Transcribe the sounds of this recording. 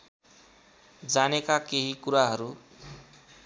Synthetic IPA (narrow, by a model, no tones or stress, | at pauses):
d͡zanekakeɦikuɾaɦʌɾu